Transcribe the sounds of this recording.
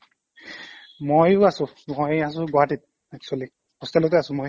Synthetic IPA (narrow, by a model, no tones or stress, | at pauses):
mojʊasʊ̃mojasʊ̃ɡɔatit̚ | akswali | pɔstalɔt̬ɛasʊ̃moj